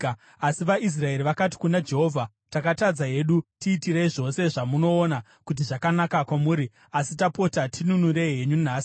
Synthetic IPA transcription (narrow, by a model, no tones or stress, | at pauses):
asiʋais̬rae̞riʋakati̥kunad͡ʒe̞ɦo̞vʱa | takatad͡zaɦe̞ɗutiːtireiʐo̞se̞ʐamuno̞ːna | kut̬iʐakanakakwamuːɾi | asitapo̞tatinunuɾeɦe̞ɲunaːsi̥